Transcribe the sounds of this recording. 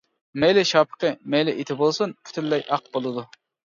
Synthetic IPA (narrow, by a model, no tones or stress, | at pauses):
mɛjlɪʃɑːpʰə̥qəmɛjlɪʔit̪ʰɪbolˠsunkʲʰy̥t̪ʰylːɛjʔɑq̚bolˠɨd̪u